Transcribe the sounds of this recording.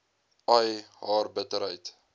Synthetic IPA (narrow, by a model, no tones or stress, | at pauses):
ʔɐjɦɑːrbətəɾɦəjt